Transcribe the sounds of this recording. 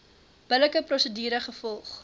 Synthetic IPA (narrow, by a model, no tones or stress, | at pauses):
b̥ələkəprɔsədiːɾəχəfɔlˠχ